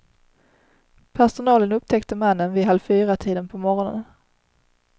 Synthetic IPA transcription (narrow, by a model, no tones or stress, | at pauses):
pʰæʂʊnɑːlənɵp̚t̪ʰɛkt̪əmanːənvɪɦalfyːɾat̪ʰiːd̪ənpʰɔmɔɾɔnə̰n